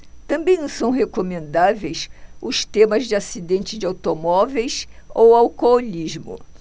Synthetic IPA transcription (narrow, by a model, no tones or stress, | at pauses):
t̪ɐ̃mbẽj̃nɐ̃sɐ̃w̃ɦekomẽnd̪avejsʊst̪ẽmɐzd͡ʒɪasid̪ẽnt͡ʃɪzd͡ʒɪawt̪omɔvejsowawkooliʒmʊ̰